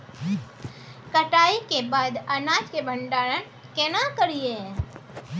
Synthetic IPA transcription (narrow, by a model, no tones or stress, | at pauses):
kəʈaːikebaːd̪ənad͡ʒkebʱəɳɖaːɾən | kenakəɾije